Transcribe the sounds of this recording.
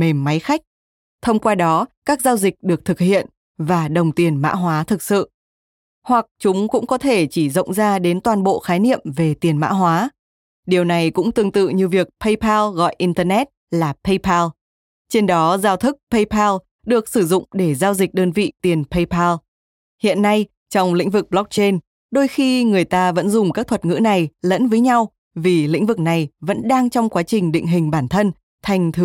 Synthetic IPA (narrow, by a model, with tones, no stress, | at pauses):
me˨˩mːa˨˦jxa˦˥k̟̚ | t̪ʰə˧wŋ͡mkwaː˧ɗɔ˨˦kaː˦˥k̚zaː˧wzï˨˩k̟̚ɗɨ˨˩ək̚t̪ʰɨ˨˩k̚hḭ˧˨ən | vaː˨˩ɗə˨˩wŋ͡mt̪i˨˩ənma̰ː˧˥ɦwaː˨˦t̪ʰɨ˨˩k̚sɨ̰˧˨ | hwa˨˩k̚t͡ɕʊ˨˦ŋ͡mkʊ̰˧˥ŋ͡mɔ˨˦t̪ʰe˧˩t͡ɕi˧˩zə̰˧˨wŋ͡mzaː˧ɗe˨˦nt̪waː˨˩nɓo̰˧˨xaː˨˦jnḭ˧˨əmve˨˩t̪i˨˩ənma̰ː˧˥ɦwaː˨˦ | ɗi˨˩əwna˨˩jkʊ̰˧˥ŋ͡mt̪ɨ˨˩əŋt̪ɨ̰˧˨ɲɨ˧vi˨˩ək̚pʰə˧jpʰaː˧lɣɔ̰˧˨jʔi˧nt̪əː˧nɛ˦˥t̚laː˨˩pʰə˧jpʰaː˧l | t͡ɕe˧nɗɔ˨˦zaː˧wt̪ʰɨ˦˥k̚pʰə˧jpʰaː˧l | ɗɨ˨˩ək̚sɨ˧˩zʊ̰˧˨ŋ͡mɗe˧˩zaː˧wzï˨˩k̟̚ɗəː˧nvḭ˧˨t̪i˨˩ənpʰə˧jpʰaː˧l | hḭ˧˨ənːa˧j | t͡ɕɔ˧wŋ͡mlḭ̈˧˥ŋ̟vɨ˨˩k̚ɓlɔ˦˥k̚t͡ɕe˧n | ɗo˧jxi˧ŋɨ˨˩əjt̪aː˧və̰˧˥nzʊ˨˩ŋ͡mkaː˦˥k̚t̪ʰə˨˩t̚ŋɨ̰˧˥na˨˩jlə̰˧˥nvəː˨˦jɲa˧w | vi˨˩lḭ̈˧˥ŋ̟vɨ˨˩k̚na˨˩jvə̰˧˥nɗaː˧ŋt͡ɕɔ˧wŋ͡mkwaː˨˦t͡ɕï˨˩ŋ̟ɗḭ˧˨ŋ̟ɦï˨˩ŋ̟ɓaː˧˩nt̪ʰə˧n | t̪ʰa˨˩jŋ̟t̪ʰɨ˨˦